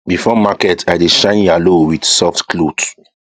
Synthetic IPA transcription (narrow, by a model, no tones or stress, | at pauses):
bifɔmakɛtʰajdeʃãɪ̃njalowidsɔftklod